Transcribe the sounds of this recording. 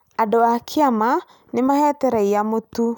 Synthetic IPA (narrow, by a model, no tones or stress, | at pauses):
adɔakʰeama | nemahɛtɛɾaiamotu